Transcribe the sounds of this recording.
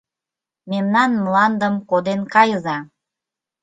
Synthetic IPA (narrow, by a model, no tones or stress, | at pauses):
memnɑnmlɑnd̪əmkod̪enkɑjəzɑ